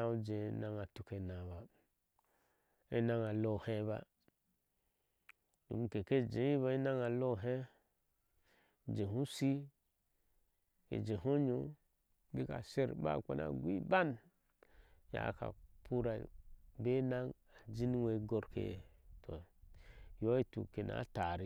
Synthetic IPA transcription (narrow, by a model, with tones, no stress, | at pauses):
a˦u˦d͡ʒẽ˨˦na˨ŋa˨tu˨ke˨na˨ba˨ | e˦na˦ŋa˨lo˦˨hẽ˦ba̰˦ | nṵ˨m˨ke˨ke˦d͡ʒẽ˨˦i˦βa˨˦i˦na˦ŋa˨lo˦˨ɦe˦˨ | d͡ʒe˨hũ˦si˦ | ḛ˨d͡ʒe˨ɦo˦ɲo˦ | bi˦ka̰˨se˦ɾba̰˦˨ka̰˦na̰˨ɡʷi˦ba˦n | ja̰˨ka̰˨pʰu˦ɾa˨be˦na˦ŋ | a˨d͡ʒi˦n˦we˨˦ɡo˦ɾkḛ˨tʰo̰˨ | jo˦i˦tṵ˨ke˨na̰˨˦ta˨ɾi˦